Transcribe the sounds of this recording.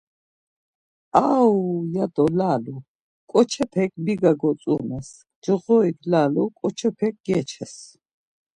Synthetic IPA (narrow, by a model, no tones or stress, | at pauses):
awjad̪ɔlaːlu | kʼɔt͡ʃʰɛpʰɛk̚ʰʼbiɡaɡɔt͡s̪ʼunɛs | d͡ʒəʁɔiklaːlukʼɔt͡ʃʰɛpʰɛk̚ɡɛt͡ʃʰɛs